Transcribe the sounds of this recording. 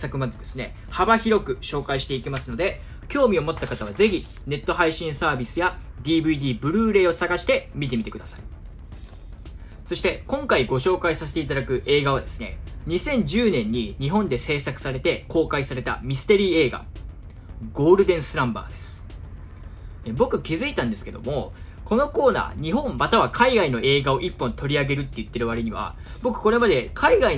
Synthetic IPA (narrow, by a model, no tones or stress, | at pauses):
sakɯ̟mad̪eod̪e̞sɨne̞ | habaçiɾo̞kɯ̟ɕo̞ːkaiɕi̥t̪e̞ikʲimasɨno̞d̪e̞ | kʲo̞ːmʲio̞mo̞t̪ːakat̪aβaze̞çi | ne̞t̪ːo̞ɦaiɕĩɰ̃saːbʲisɨja | d̪ʲiːbɯ̟id̪ʲiːbɯ̟ɾɯ̟ːɾe̞ːo̞saɡaɕi̥t̪e̞mʲit̪e̞mʲit̪e̞kɯ̟d̪asai̥ | so̞ɕi̥t̪e̞kõ̞ŋkaiɡo̞ɕo̞ːkaisas̬et̪e̞it̪̬ad̪akɯ̟ʔe̞ːɡaβ̞ad̪e̞sɨ̥ne̞̰ɲ̟isẽ̞ɲ̟d͡ʑɨːnẽ̞ɲ̟ːiɲ̟iɦõ̞nd̪e̞se̞ːsakɯ̟̥saɾe̞t̪e̞ko̞ːkaisaɾe̞t̪a̰mʲisɨ̥t̪e̞ɾʲiːe̞ːɡa̰ | ɡo̞ːɾɯ̟d̪ẽ̞ɰ̃sɨɾãmba̰ːd̪e̞sɨ̥ | ebo̞kɯ̟kʲizɨit̪ãnd̪e̞sɨ̥ke̞d̪o̞̰mo̞ | ko̞no̞ko̞ːna̰ːɲ̟iɦõ̞mːat̪aβ̞akʰaiɡaino̞ʔe̞ːɡao̞ʔipːõ̞nt̪o̞ɾʲiaɡe̞ɾɯ̟t̪ːe̞jɯ̟t̪ːe̞ɾɯ̟βaɾeɲ̟iβa̰ | bo̞kɯ̟̥ko̞ɾe̞mad̪e̞kʰaiɡai